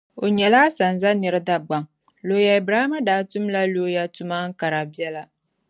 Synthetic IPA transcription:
o˨ɲɛ˨laː˦sa˨n˨za˦nɨ˨ɾɨ˦da˦ɡ͡ba˨ŋ | lo˨˦ja˨i˨bɾa˦ma˦daː˨˦tʊ˦mla˦loː˦ja˦tʊ˦ma˦ŋ̩˦ka˨ɾa˨bi˦ɛ˦la˦

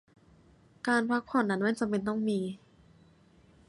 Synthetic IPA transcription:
kaː˧npʰa˧˥k̚pʰɔː˧˩nːa˨˦˥nmaː˥˨nt͡ɕa˧mpe˧nt̪ɔ˥˩ŋmiː˧

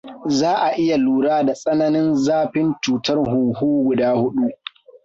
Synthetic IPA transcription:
zaː˦ʔa˨ʔɪ˦ja˨luː˨ɽaː˦da˨sʼɐ˦nɐ˦nɪ˦nzaː˦ɸɪ˦nt͡ʃuː˨tɐ˦rhu˨huː˦ɡʷʊ˨daː˦hʊ˦ɗu˦

